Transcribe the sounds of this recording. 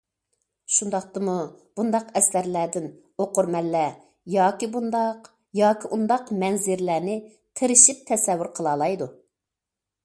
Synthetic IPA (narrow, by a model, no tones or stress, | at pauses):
ʃund̪ɑχt̪ɨmub̥und̪ɑqɛsæɾlæːd̪ɪn | oqʊɾmɛlːɛ | jɑːkʲibund̪ɑq | jɑːkʲiʔund̪ɑqmɛnzɪɾlæːnɪ | qʰeɾɪʃip̚t̪ʰɛsɛwːyɾqʰəlˠɑːlˠɑjd̪u